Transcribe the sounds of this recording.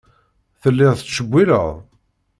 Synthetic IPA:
θəlːɪʁθət͡ssʃəɡʷːiɾə̰ʁ

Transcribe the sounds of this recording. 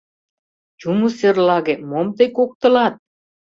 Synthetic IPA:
t͡ɕumuserlˠɑɣemomt̪ɤjkok̚t̪ɤ̆lɑt̪̚

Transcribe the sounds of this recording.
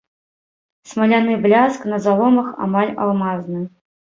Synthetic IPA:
smɐlʲanɨblʲasknɐzalˠɔmɐxa̰malʲa̰lˠmaznɨ

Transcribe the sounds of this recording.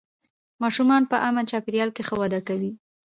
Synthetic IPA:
mɑʃumɑnpəʔamant͡ʃɑpɪɾjɑlkexəwad̪akawi

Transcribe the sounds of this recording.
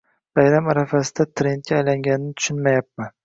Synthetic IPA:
b̥ajɾamaɾafasɪd̪at̪ʰɾe̞nt̪̚kʲaːjlaŋɡʲanɪnɪt̪ʰʊ̥ʃɪnmajap̚ma

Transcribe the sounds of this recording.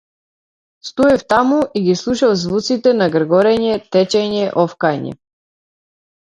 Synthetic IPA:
st̪uɛft̪amuʔiɡislˠuʃavzvut̪sit̪ɛnaɡɾɡɔɾɛɲɛt̪ɛt͡ʃɛɲɛʔɔfkajɲɛ̰

